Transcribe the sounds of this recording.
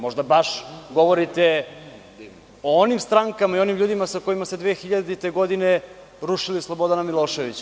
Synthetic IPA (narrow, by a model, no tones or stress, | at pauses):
mo̞ʒd̪abaʃɡo̞ʋo̞ɾit̪e | oonimst̪ɾaŋkamaio̞nimʎuːd̪imasako̞jimased̪ʋeːxiʎad̪it̪eɡo̞d̪ine | ɾuʃilislˠo̞bo̞d̪anamilˠo̞ːʃe̞ʋit͡ɕ